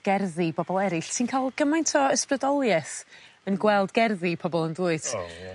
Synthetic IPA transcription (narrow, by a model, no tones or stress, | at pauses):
ɡ̥ɛrðibɔbɔlˠɛɾɪɬsinkʰaːlˠɡ̥əmajntʰɔəsprədɔlˠjɛθənɡwɛlˠdɡɛrðipʰɔbɔlˠənduːɨd̥